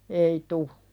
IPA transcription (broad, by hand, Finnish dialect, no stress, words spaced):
ei tu